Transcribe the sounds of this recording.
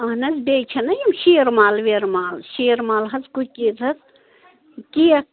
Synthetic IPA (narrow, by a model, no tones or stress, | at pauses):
ɐɦnɐzbʲeːt͡ʃʲʰɐnɐjimʃiːɾmaːlʋeːɾmaːlʃiːɾmaːlɦɐt͡skukʲit̪ɐt͡s | kijɐ